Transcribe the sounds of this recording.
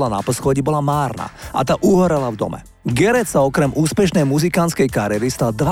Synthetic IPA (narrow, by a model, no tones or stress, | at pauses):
lana̰pɔsxɔɟibɔlamaːɾna̰ʔa̰t̪aʔuɦɔɾɛlavd̪ɔ̰mɛ̰ | ɡɛɾɛsaɔkɾɛmʔuːspɛʃnɛjmuzikant͡sskɛjkaɾɪɛɾist̪ad̪ʋa